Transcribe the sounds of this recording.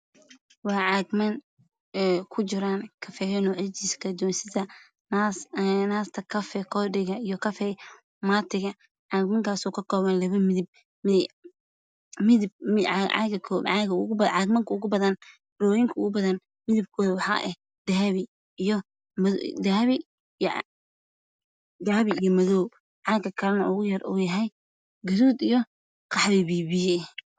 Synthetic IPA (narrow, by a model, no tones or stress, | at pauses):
wɑːʕɑːɡmɐn | ɛkʰʊt͡ʃɪɾaːnkʰɐfɛːhɛnɔʕɪt͡ʃiːskʰɐd̪uwɐnsɪðɐ | naːst̪ʰɐkʰɐfɛkʰɔdɪɣɐijɔkʰɐfɛ | maːt̪ʰɪɣɐ | ʕɑːɡmɐŋkʰaːsɔːkʰɐkʰɔːβɐnlɐβɐmɪðɪb̚ | mɪ | mɪðɪbɪ̰ɡɐkʰɔɑɣɐɣʊbɐʕɑɡmɐŋkʰɐʊɣʊbɐðɐn | ɾɔːwjɪŋkʰɐʊɣʊbɐðɐn | mɪðɪb̚kʰɔːðɐwɑħɑ̰ːʔɛh | d̪̥ɐβɪ | jɔ | md̪aːβɪ | d̪aːβɪijɔmɐðɔːw | ʕɑɡɐkʰɐɾɐnʔʊɣʊjɐrɔ̰ːjɐɦɛj | ɡɐðuːd̪ijɔ | qʰɑħβɪβiːβɪjɛ